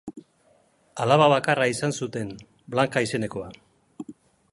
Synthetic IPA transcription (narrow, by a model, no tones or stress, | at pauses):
alaβaβakaraisansut̪e̞n | blaŋkaise̞ne̞ko̞a